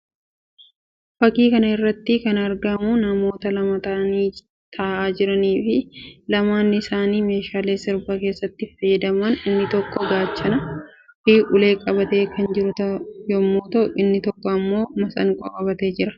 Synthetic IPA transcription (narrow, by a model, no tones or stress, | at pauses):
fɐkiːkɐnɐɪrːɐt̪ːɪkɐnɐɾɡɐmunɐmo̞ːt̪ɐlɐmɐt̪ɐʔɐniː | t̪ʰɐːʔaːd͡ʒɪɾɐniːfɪlɐmaːnːɪɪsaːniːme̞ːʃaːle̞ːsɪɾbake̞ːsːɐt̪ːɪfɐjːɐd̪ɐmɐnɪnːɪt̪ɔkːɔɡaːt͡ʃːɐnɐhiːʔʊle̞ːkʼɐbɐt̪e̞ːkɐnd͡ʒɪɾʊt̪ɐjɔmːoːt̪ɐʔʊʔɪnːɪt̪ɔkːɔɐmːo̞ːmɐsɐ̰ŋkʼɔkʼɐbɐt̪e̞ːd͡ʒɪɾɐ̥